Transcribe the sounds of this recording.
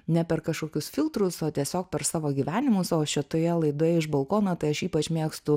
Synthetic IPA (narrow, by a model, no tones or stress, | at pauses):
nʲɛpʲɛɾkɐʃkoːkʲʊsfʲilˠt̪ɾʊsoːt̪ʲiɛsʲoːk̚pʲɛɾsɑːʋoːɡʲiʋʲæːnʲɪmʊsoːʃʲɪt̪oːjɛlˠɐɪd̪oːjɛɪʒbɐlˠkoːnɐt̪ɐɪɐʃiːpɐt͡ʃmʲeːkst̪ʊ